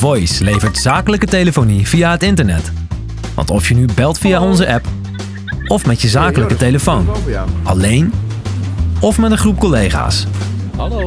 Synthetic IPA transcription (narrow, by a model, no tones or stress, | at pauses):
vɔjslejvəɹtz̥aːkələkətejləfownivijaːɦətɪntəɹnɛt | ʋɑ̰ntɔfjənybɛlˠtfijaɔnzəʔɛp | ɔfmɛtjəzaːkələkətejləfownʔɑ̰lejn | ɔfmɛtdəχrup̚kɔlejχa̰ːs